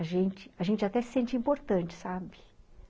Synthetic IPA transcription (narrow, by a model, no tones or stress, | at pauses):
aʒẽnt͡ʃɪ̥aʒẽnt͡ʃɪat̪ɛsɪ̥sẽnt͡ʃɪĩpoɾt̪ɐ̃nt͡ʃɪ̥sabɪ